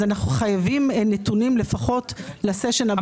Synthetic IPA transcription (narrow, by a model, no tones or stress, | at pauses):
anaχnuχajavimnetunimle̞faχo̞tlaseʃena